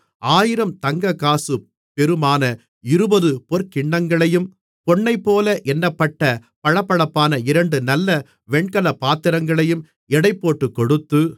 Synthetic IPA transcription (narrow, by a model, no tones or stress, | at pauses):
ʔaːjɪɾɐmt̪ɐŋɡɐkːaːsɯ | pɛɾɯmaːnɐ | ɪɾɯbɐðɯpɔɾkɪɳːɐŋɡɐɭɐjɯm | pɔɳːɐɪpːoːlɐʔɛnːɐpːɐʈːɐ | pɐɻɐpːɐɻɐpːaːnɐɪɾɐɳɖɯnɐlːɐ | ʋɛɳkɐlɐpːaːt̪ːɪɾɐŋɡɐɭɐjɯm | ɛɽɐɪpːoːʈːɯkːɔɽɯt̪ːɯ